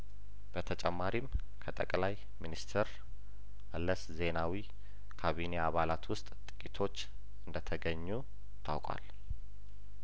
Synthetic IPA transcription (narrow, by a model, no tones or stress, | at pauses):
b̥ət̪ʰət͡ʃʼɛmːaɾim | kʰət̪ʼə̰kʼlaj | minist̪ʰəɾ | ʔəlːəsze̞nawi | kʰaβine̞aβalat̪wʊst̪ʼt̪ʼɨkʼit̪ʰo̞t͡ʃː | ʔɨnd̪ət̪ʰəɡəɲːu | t̪ʰa̰wkʼa̰l